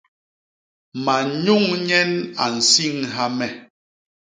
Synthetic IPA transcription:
ma˨ɲu˦˨ŋɲɛ˦na̰˨n̩˨si˦˨ŋɦa˦mɛ˨

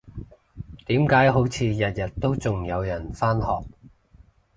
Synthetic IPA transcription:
t̪iː˨˥mkaː˨˥jɦo˨˥wt͡sʰiː˨˧jɐ˨t̚jɐ˨t̚t̪o˥wt͡sʊ˨ŋjɐ˨˧wjɐ˨˩nfaː˥nhɔː˨k̚

